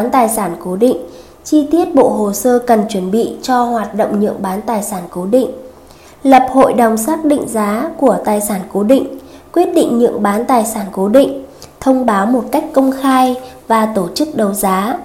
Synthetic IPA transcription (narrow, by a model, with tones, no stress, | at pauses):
nt̪aː˨˩jsaː˧˩nko˨˦ɗḭ̈˧˨ŋ̟ | t͡ɕi˧t̪i˦˥ət̚ɓo̰˧˨ɦo˨˩səː˧kə˨˩nt͡ɕwə˧˩nɓḭ˧˨t͡ɕɔ˧hwaː˨˩t̚ɗə̰˧˨wŋ͡mɲɨ̰˧˨əŋɓaː˨˦nt̪aː˨˩jsaː˧˩nko˨˦ɗḭ˧˨ŋ̟ | lə˨˩p̚ho̰˧˨jɗə˨˩wŋ͡msaː˦˥k̚ɗḭ˧˨ŋ̟zaː˨˦ku˧˩ət̪aː˨˩jsaː˧˩nko˨˦ɗḭ˧˨ŋ̟ | kwi˦˥ət̚ɗḭ˧˨ŋ̟ɲɨ̰˧˨əŋɓaː˨˦nt̪aː˨˩jsaː˧˩nko˨˦ɗḭ˧˨ŋ̟t̪ʰə˧wŋ͡mɓaː˨˦wmo˨˩t̚ka˦˥jk̟̚kə˧wŋ͡mxaː˧jvaː˨˩t̪o˧˩t͡ɕɨ˦˥k̚ɗə˨˩wzaː˨˦